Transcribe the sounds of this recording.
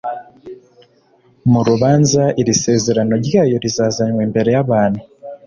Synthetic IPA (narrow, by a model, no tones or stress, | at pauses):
muɾuβaːnzaiɾise̞ːze̞ɾano̞ɾjaːjo̞ɾizaːzaɲweːmbe̞ɾe̞jaβaːn̤u